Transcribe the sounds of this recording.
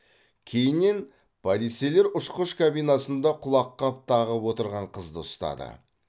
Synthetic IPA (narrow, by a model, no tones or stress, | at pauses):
kʲʰe̞jɪnːe̞n | pʰad̪ise̞le̞ɾʊʃqəʃkʰabijnɑsənd̪ɑqʰʊlˠɑqːɑp̚t̪ʰɑʁəpwo̞t̪əɾʁɑɴqʰəzd̪əʊst̪ɑ̰d̪ə̰